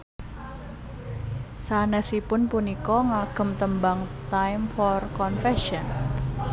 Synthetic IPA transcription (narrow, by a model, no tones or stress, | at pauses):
sanɛsipʊnpunikɔŋaɡ̥ə̤mt̪əmbaŋt̪ajmfɔrkɔnfɛʃɔn